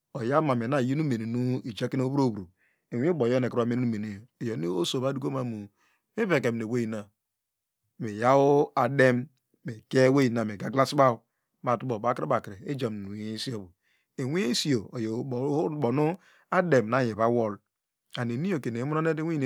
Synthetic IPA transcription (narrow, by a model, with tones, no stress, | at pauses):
o˨ja˦ma˨me˨na˨ji˦nu˦me˨ne˨nu˦i˨d͡ʒa˦ke˦no˦o˦bo˦˨bɾu˨ | e˨wi˦o˦bo˨jo˦ne˨kɾa˦me˦u˦me˨ne˨jo˨ne˦o˦so˨ba˦du˦ko˦ma˨mu˨ | mi˦βe˨ke˨m˨ne˨we˦ji˨na˨ | me˨ja˦o˦a˨de˦mː | e˨ke˦we˦ji˨na˨me˨ɡa˦ɡla˦sba˦˨ | ma˨tu˦bo˨ba˨˦kɾe˦ba˨kɾe˨e˦d͡ʒa˨m˨u˨we˦si˦o˦bu˨ | e˨wi˦e˦si˦o˨o˨jbo˨nu˦ | a˦de˨m˨na˦˨je˨βa˦wo˦l | a˨ne˨ni˦jo˨ke˨ne˨˦mu˦no˦ne˦de˦wi˦n˨